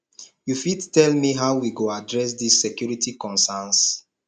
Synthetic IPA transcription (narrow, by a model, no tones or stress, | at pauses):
jufidtɛlmiɦawwiɡoadɹɛs̬disːekjuɹitikɔ̃nsɛns